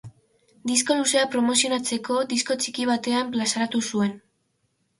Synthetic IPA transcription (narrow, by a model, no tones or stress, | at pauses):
d̪isko̞luse̞apɾo̞mo̞sio̞nat͡se̞ko̞d̪isko̞t͡ʃikiβ̞at̪e̞amplasaɾat̪usue̞n